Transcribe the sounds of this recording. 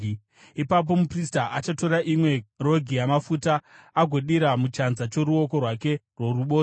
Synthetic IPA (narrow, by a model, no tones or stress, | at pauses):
ipap̬o̞mupristaʔat͡ʃato̞ɾaʔimwe̞ro̞ɡʱijamafutaːɡʱo̞ɗiɾamut͡ʃanzat͡ʃo̞ɾuo̞ko̞rwake̞rwo̞ruɓoː